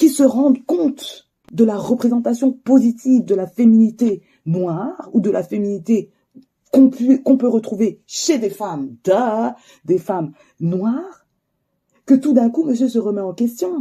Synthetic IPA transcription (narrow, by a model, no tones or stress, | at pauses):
kʲisəʁɑ̃d̪kɔ̃t̪ | d̪əlaʁəpχezɑ̃t̪asjɔ̃pozit̪ʰivd̪əlafeminit̪e | nwaʁud̪əlʔa̰feminit̪e | kɔ̃pɥøkɔ̃pøʁət̪χuveʃed̪efamd̪a | d̪efam | nwaʁ | kət̪ud̪ɛ̃kuməsjøsəʁəmɛɑ̃kʲɛst̪jɔ̃